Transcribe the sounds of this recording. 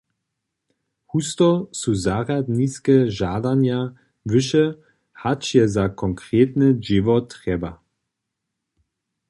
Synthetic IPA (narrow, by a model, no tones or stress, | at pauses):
hustɔsuzaʁadniskɛʒadanja | vəʃə | hat͡ʃjɛzakʰɔŋkʁeːtnəd͡ʒɪvɔtʰːʁɛba